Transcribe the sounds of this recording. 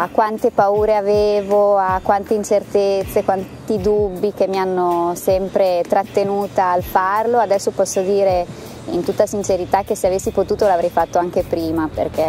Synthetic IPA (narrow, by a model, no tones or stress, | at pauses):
akwant̪epauːɾeaveːvoakːwant̪eint͡ʃert̪et̪sːekwant̪id̪ubːik̟emːianːosɛmpɾet̪ɾat̪ːenuːt̪aːlfarload̪ɛsːopɔsːod̪iːɾe | ḭnt̪ut̪ːasint͡ʃeɾit̪ak̟eseavesːipot̪uːt̪olavɾɛjfat̪ːoaŋk̟epɾiːmapḛrk̟e